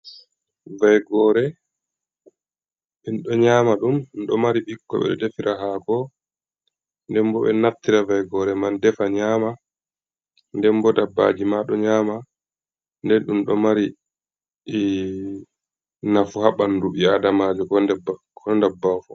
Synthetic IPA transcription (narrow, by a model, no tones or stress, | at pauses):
vajɡɔːɾɛ | ɓɛnɗɔɲaːmaɗumɗɔmaɾiɓikːɔ̰bɛ̰ɗɔdefiɾaɦakɔ | ndɛmbɔɓɛ̰naftiɾavajɡɔɾɛmandɛfaɲaːma | ndɛmbɔdabːa̰ːd͡ʒimaɗɔɲaːma | ndɛnɗumɗɔmaɾi | nafuhaɓanduɓiadamaːd͡ʒɔkɔdkʰɔndabafɔ